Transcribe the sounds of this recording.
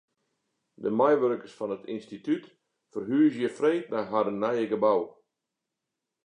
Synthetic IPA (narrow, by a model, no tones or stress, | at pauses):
dəmɛjʋørkərsfɔnətinstityt | fərɦyəzjəfreːt̚naɦadənːɛjəɡəbaw